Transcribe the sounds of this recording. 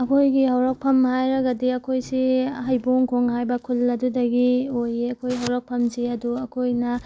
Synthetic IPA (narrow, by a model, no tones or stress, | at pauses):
ɐkʰojɡihɐwɾɐk̚pʰɐmhajɾɐɡɐdiɐkʰojsihɐjboŋkʰoŋhajbɐkʰulːɐdudɐɡiojeɐkʰojɦɐwɾɐk̚pʰɐmsiɐduɐkʰojnɐ